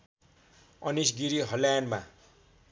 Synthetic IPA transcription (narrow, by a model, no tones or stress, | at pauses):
ʌnisɡiɾiɦʌlajnma̰